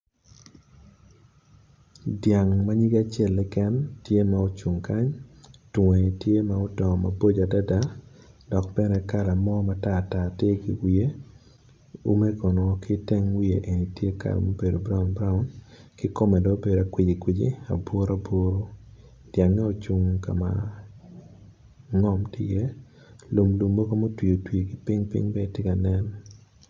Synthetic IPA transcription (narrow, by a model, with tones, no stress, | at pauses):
dja˨ŋma˦ɲi˦ɡa˦t͡ʃjɛ˦lːɪ˦kɛ˦ntje˦ma˦o˦t͡ʃu˨ŋka˦ɲtwŋe˨tje˦ma˦o˦tɔ˨ma˨bo˦d͡ʒa˨da˦da˦dɔ˨k̚bɛ˦nɛ˦ka˦la˨mɔ˦ma˦ta˦˨ta˨te˦ɡɪ˦wi˦e˦ | ṵ˦me˦ko˨n˨kɪ˦te˦ŋwi˦e˨ʔe˨ni˨tje˦ka̰˨la̰˨mo˦be˨do˨bɾa˦ʊ˨nbɾa˦ʊ˦nkɪ˦ko˦mɛ˨dɔ˨˦be˨da˨kwɪ˨d͡ʒi˨kwi˨d͡ʒḭ˦a̰˨bwo˦ɾa˦bo˦ɾo˦ | d̥ja˨ŋːe˦o˨t͡ʃu˦ŋka̰˨ma̰˨ | ŋɔ˦mtɪ˦je˦ | lo˨mlu˨mːo˦ko˦mo˦twi˨o˨twi˨e˨ɡɪ˦pɪ˦ŋpɪ̰˦ŋbɛ˦tɪ˦ka˨nɛ˦n